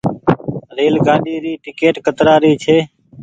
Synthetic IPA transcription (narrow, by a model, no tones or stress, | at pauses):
ɾeːlɡãːɗiːɾiːʈɪkeːʈkət̪ɾaːɾiːt͡ʃʰeː